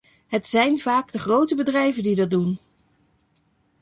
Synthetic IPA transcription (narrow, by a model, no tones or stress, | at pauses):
ɦətsɛjnv̥aːɡdəχrowtəbədrɛjvəndidɑd̚dun